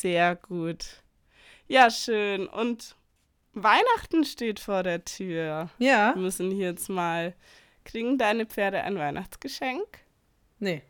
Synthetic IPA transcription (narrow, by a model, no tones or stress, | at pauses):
z̥eːɐɡuːt | jaːʃøːnʔʊ̰nt | vaɪnaχtn̩ʃteːtfoːɐɾeːɐtʰyːɐjamʏsn̩jɛt͡smaːl | kʁ̥iːɡŋ̩daɪnəp͡feːɐɾəʔa̰ɪnvaɪnʔaχt͡sɡ̥əʃɛŋk | ne